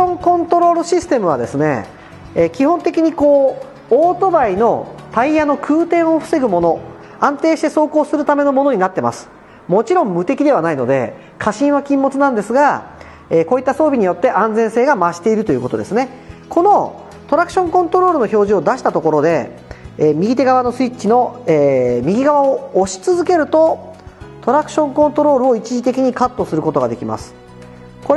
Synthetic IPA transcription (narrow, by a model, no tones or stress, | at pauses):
õŋkõ̞nt̪o̞ɾo̞ɾɯ̟ɕisɨ̥t̪e̞mɯ̟β̞a̰d̪e̞sɨne̞̰ː | kʲihõ̞nt̪e̞kʲiɲ̟iko̞ː | oːt̪o̞baino̞t̪aijano̞kʰɯ̟ːt̪ẽ̞ɰ̃o̞ɸɯ̟̥se̞ɡɯ̟mo̞no̞ | ãnt̪e̞ːɕi̥t̪e̞so̞ːko̞ːsɨɾɯ̟t̪ame̞no̞mo̞no̞ɲ̟inat̪ːe̞ma̰sɨ̥ | mo̞t͡ɕiɾõ̞mːɯ̟t̪e̞kʲid̪e̞β̞anaino̞̰d̪e̞̰ | kʰaɕĩɰ̃βakʲĩmːo̞t͡sɨnãnd̪e̞sɨɡa | eːko̞ːit̪ːaso̞ːbʲiɲ̟ijo̞t̪ːe̞ʔãnd͡zẽ̞ɰ̃se̞ːɡamaɕi̥t̪e̞iɾɯ̟t̪o̞jiɯ̟kot̪o̞d̪e̞sɨne̞ | kʰo̞no̞ | t̪o̞ɾakɯ̟̥ɕõ̞ŋkõ̞nt̪o̞ɾo̞ːɾɯ̟no̞ço̞ːʑio̞d̪aɕi̥t̪at̪o̞ko̞ɾo̞d̪e̞ː | mʲiɡʲit̪̬e̞ɡaβano̞sɨit͡ɕːino̞eːmʲiɡʲiɡaβaoːɕi̥t͡sɨzɨke̞ɾɯ̟t̪o̞ | t̪o̞ɾakɯ̟̥ɕõ̞ŋkõ̞nt̪o̞ɾo̞ːɾɯ̟o̞it͡ɕiʑit̪e̞kʲiɲ̟ikat̪ːo̞sɨɾɯ̟ko̞t̪o̞ɡa̰d̪ekʲima̰sɨ̥ | koɾ